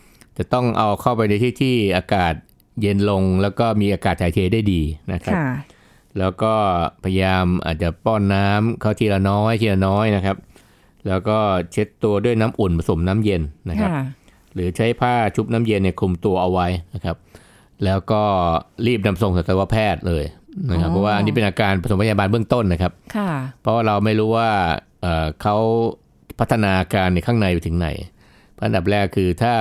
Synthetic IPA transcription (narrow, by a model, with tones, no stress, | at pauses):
t͡ɕa˨˩t̪ɔ˥˩ŋʔa˧wkʰa˥˩wpa˧jna˧jt̪ʰiː˥˩t̪ʰiː˥˩ʔaː˧kaː˨˩t̪̚ | je˧nlo˧ŋlɛː˦˥wkɔː˥˩miː˧ʔaː˧kaː˨˩t̪̚ʰaː˩˦jt̪ʰeː˦daː˥˩jdiː˧na˦˥kʰa˦˥p̚ | lɛː˦˥wkɔː˥˩pʰa˧jjaː˧mʔa̰ː˨˩t̪̚t͡ɕa˨˩pɔː˥˩nːaː˦˥mkʰaː˥˩t̪ʰiː˧˩la˧nɔː˦˥jt̪ʰiː˧˩la˧nɔː˦˥jna˦˥kʰa˦˥p̚ | lɛː˦˥wkɔː˥˩t͡ɕʰe˦˥t̪ːu˧ɐdu˥˩əjnaː˦˥mʔu˨˩npa˧so˩˦mnaː˦˥mje˧nːa˦˥kʰa˦˥ | ɾɯː˩˦t͡ɕʰa˦˥jpʰaː˥˩t͡ɕʰu˦˥p̚naː˦˥mje˧nːi˥˩kʰu˧mt̪u˧ɐʔa˧wa˦˥jna˦˥kʰa˦˥p̚ | lɛː˦˥wkɔː˥˩ɾiː˥˩p̚na˧mso˨˩ŋsa˨˩t̪wa˦˥pʰɛː˥˩t̪̚lɤː˧jna˦˥kʰa˦˥pʰːɔ˦˥waː˥˩a˧niː˦˥p̬e˧nʔaː˧kaː˧npa˧so˩˦pʰa˧˨ja˧baː˧nbɯ˥˩əŋt̪o˥˩nːa˦˥kʰa˦˥p̚kʰa˥˩pʰɾɔ˦˥waː˥˩ɾa˧wma˥˩jɾuː˦˥waː˥˩ | ʔəː˨˩kʰa˦˥w | pʰa˦˥t̪ʰːa˧naː˧ʔa˧kaː˧nːi˧˩kʰaː˥˩ŋna˧juː˨˩t̪ʰɯ˩˦ŋna̰˩˦j | pʰːʔa˨nda˨˩p̚ɾlɛː˥˩kʰɯː˧t̪ʰaː˥˩